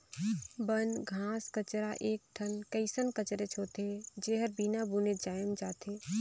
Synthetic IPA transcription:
bənɡʱãːskət͡ʃɾaʔeːk̚ʈʰənkəɪsənkət͡ʃɾet͡ʃʰoːt̪ed͡ʒeɦəɾbinabuːned͡ʒaːjəmd͡ʒaːt̪ʰeː

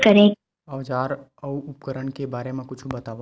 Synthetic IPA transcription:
kəɾẽ | ɔːd͡ʒaːɾ | ɐuʊpkəɾəɳkebaːɾemẽkʊt͡ʃʰubɐt̪aːʋ

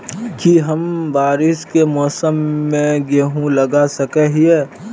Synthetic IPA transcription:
kiɦəmbaːɾɪskemɔːsəmːẽɡeɦũlɐɡasəkɛɦiɛ

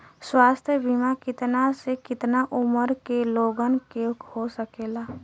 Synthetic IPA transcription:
swaːst̪ʰjəbʱimakɪt̪nasekɪt̪naʔuməɾkeloːɡənkeɦosəkeːla

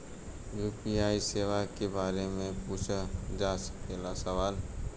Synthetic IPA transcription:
juːpiaːiseːʋakebaːɾemẽpuːt͡ʃʰad͡ʒaːspeːlasɐʋaːl

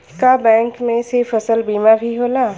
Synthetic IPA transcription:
kabɛ̃ːŋkmẽsɪɾfɐsəlbiːmabʱiɦoːlaː

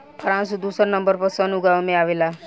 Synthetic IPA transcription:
pʰəɾãnsud̪usəɾnəmbəɾpəsənuɡaʋmẽaʋela

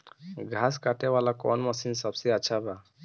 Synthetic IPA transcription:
ɡʱaskaʈeʋalakɔ̰nməsinsəbseətːt͡ʃʰaba

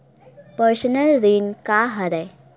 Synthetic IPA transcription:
pəɾsənəlɾinkaɦəɾɛ

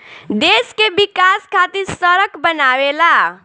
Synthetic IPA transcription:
d̪eːskebɪkaːskʰaːt̪iɾsəɾəkbənaːʋela

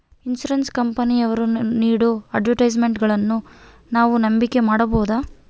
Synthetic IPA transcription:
insuɾenskɐmpɐniɐʋɐɾuniːɽuɐɖʋɐɾʈɐjd͡ʒme̞ɳʈɡɐɭɐnːu | naːʋunɐmbike̞maːɽɐboːd̪aː

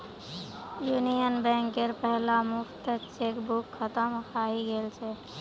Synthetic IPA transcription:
juːnijənbɛ̃ːŋkeɾpɛɦlamʊkʰt̪t͡ʃeːkbukʰːət̪əmkʰaːɦiɡelt͡ʃʰe

